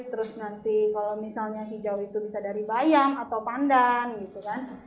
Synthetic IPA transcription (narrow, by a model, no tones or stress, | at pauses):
t̪əɾʊsnant̪ikalawmisalɲaɦid͡ʒawit̪ubisadaɾibajaŋat̪awpandaŋɡit̪ukan